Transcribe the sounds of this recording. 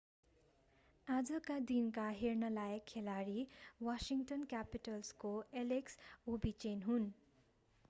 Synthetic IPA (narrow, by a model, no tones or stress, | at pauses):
ad͡zʌkad̪inkaɦernʌlajkʰːelaɾiwasiŋʈʌnkjapiʈʌlskoeleksobit͡ʃenɦun